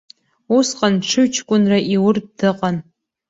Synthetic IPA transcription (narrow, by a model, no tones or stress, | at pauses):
usqʼanʈ͡ʂʰɨɥt͡ʃʰkʷʼʊnraʔiwʊrdɨqʼan